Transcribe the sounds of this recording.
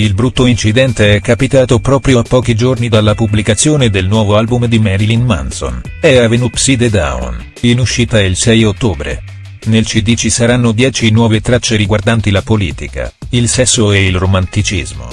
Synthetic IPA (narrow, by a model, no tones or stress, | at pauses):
ilbɾut̪ːoint͡ʃid̪ɛnt̪eɛkːapit̪aːt̪opɾɔːpɾjoapːɔːkid͡ʒornid̪alːapublikat̪sːjoːned̪elnwɔːvoalbumd̪imɛɾilinma̰nso̰nɛavenupsid̪ed̪a̰ṵn | inuʃːiːt̪ailsɛjot̪ːoːbɾḛ | nelt͡ʃid̪iːt͡ʃisaɾanːod̪jɛːt͡ʃinwɔːvet̪ɾat͡ʃːeɾiɡward̪ant̪ilapolḭːt̪ika̰ilsɛsːoeilromant̪it͡ʃizmo̰